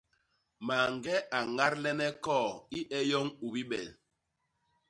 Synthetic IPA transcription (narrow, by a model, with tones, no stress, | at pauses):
ma˨ŋ˨ɡɛ˦ʔa˨ŋa˦ɾlɛ˦nɛ˦kɔː˦˨i˦ʔɛ˦jɔ˦ŋu˨bi˦ɓɛ˨l